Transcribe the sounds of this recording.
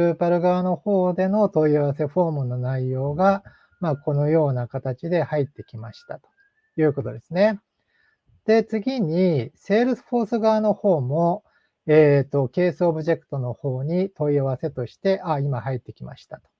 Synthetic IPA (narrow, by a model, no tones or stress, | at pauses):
ɯːpaɾɯ̟ɡaβano̞ho̞ːd̪e̞no̞t̪o̞iaβase̞ɸo̞ːmɯ̟no̞naijo̞ːɡa | mako̞no̞jo̞ːnakat̪at͡ɕid̪e̞hait̪ːe̞kʲimaɕi̥t̪at̪o̥ | jɯ̟ːko̞t̪o̞d̪e̞sɨne̞ | d̪̥e̞t͡sɨɡʲiɲ̟ise̞ːɾɯ̟sɸo̞ːsɨɡaβːno̞ho̞ːmo̞ | eːt̪ːo̞ke̞ːsɨobɯ̟ʑe̞kɯ̟̥t̪o̞no̞ho̞ːɲ̟it̪o̞iaβ̞ase̞t̪o̞ɕi̥t̪e̞ʔaimahait̪ːe̞kʲima̰ɕi̥t̪ḁt̪o̥